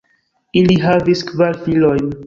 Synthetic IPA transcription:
iliɦaviskvaɾfilo̞jn

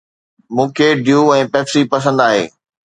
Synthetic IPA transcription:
mũːkʰeɖjuːɛ̃ːpɛːpsipɐs̬ə̃nd̪aːɦḛː

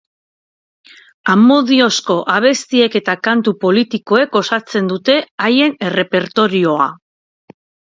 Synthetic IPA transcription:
amo̞ðio̞sko̞ʔaβ̞e̞st̪ie̞ke̞t̪akant̪upo̞lit̪iko̞e̞ko̞sat͡se̞nd̪ut̪e̞aje̞nere̞pe̞ɾt̪o̞ɾio̞a

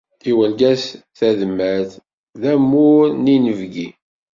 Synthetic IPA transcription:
iwəlɡæsθæðmːæθ | ðæmːʊɾninəvɡi

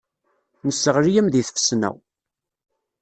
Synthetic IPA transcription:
nəsːəʁɾijəmðiθfə̥snæ̰w

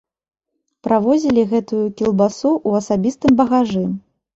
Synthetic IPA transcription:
pɾʔavɔzʲilʲiɣɛt̪ujukʲilˠbasuʔuɐsabʲist̪ɨmbɐɣaʐɨ

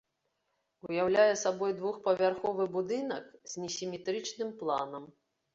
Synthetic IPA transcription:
ujawlʲajɛsabɔjd̪vuxpɐvʲarxɔvɨbud̪ɨnɐkzʲnʲisʲimʲɛt̪ɾɨt͡ʂnɨmplˠa̰nɐm

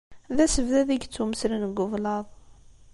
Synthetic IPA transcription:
ðæsəvðæðiɡt͡sːuməslənɡːəvlɑðˤ

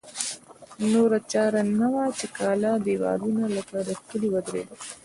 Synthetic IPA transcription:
noɾat͡ʃɑɾanawat͡ʃekɑlɑd̪ewɑ̰ɾunalakad̪əxkəliwad̪ɾḛd̪a

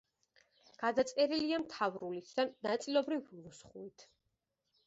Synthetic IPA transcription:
ɡ̥ad̪at̪sʼɛɾiliamt̪ʰavɾulisʰd̪anːat̪sʼilɔbɾivusχuit̪ʰ

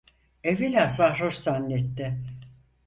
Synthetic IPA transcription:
evilʲæsahɾoʃsanːet̪ːɪ

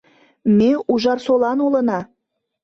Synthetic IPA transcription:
meuʒɑrsolɑnolənɑ

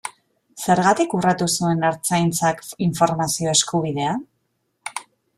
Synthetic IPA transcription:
se̞ɾɣat̪ikurat̪usue̞naɾt͡sajnt͡sakiɱfo̞ɾmasio̞e̞skuβ̞iðe̞an

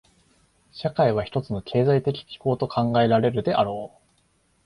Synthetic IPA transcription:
ɕakaiβ̞açi̥t̪o̞t͡sɨno̞kʰe̞ːzait̪e̞kʲi̥kʲi̥ko̞ːt̪o̞kʰãŋɡae̞ɾaɾe̞ɾɯ̟d̪e̞ʔaɾo̞ː

